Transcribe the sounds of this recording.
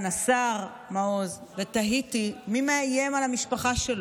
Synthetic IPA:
nasaʁ | maozvet̪aɦit̪imimeajemalamiʃpaχaʃel

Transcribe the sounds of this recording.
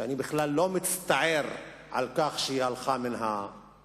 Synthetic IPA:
anibɪχlalːomit͡st̪aʕeɾ | ʕa̰lkaχʃeihalχaminɦa

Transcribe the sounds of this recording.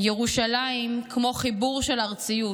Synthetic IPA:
jeʁuʃalaimkʰmo̞χibuʁʃe̞laʁt͡siju

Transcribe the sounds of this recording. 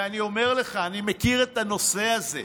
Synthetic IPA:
anio̞me̞ʁle̞χaːnimekiʁe̞t̪ano̞se̞azḛ

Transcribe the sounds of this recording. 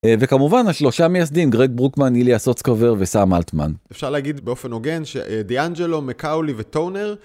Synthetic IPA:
ve̞kamuvanaʃlo̞ʃame̞jasd̪imɡʁeɡ̚bʁukmaniliasot͡skoveʁvesamalt̪ma̰nefʃaʁleaɡid̪beofenoɡenʃḛd̪iand͡ʒelomekawlivet̪owneʁ

